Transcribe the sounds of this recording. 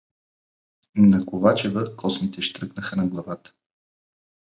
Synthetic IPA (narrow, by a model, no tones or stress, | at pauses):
nɐkovat͡ʃɛvəkʰɔsmit̪ɛʃt̪ɾɤknəxənɐɡlˠɐvat̪ə̥